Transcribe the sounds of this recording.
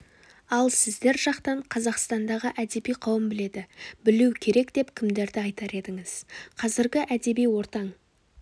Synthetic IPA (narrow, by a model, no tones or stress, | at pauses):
ɑlˠsɪzd̪e̞ɾʒɑqt̪ɑɴqʰɑzɑqst̪ɑnd̪ɑʁəʔæd̪e̞bijqʰɑwəmbɪle̞d̪ɪbɪluwkʲʰe̞ɾe̞kd̪̥e̞pkʲʰɪmd̪e̞ɾd̪ɪɑjt̪ɑɾe̞d̪ɪŋɪz̥qʰɑzɪɾɡʲɪʔæd̪e̞bijwo̞ɾt̪ɑɴ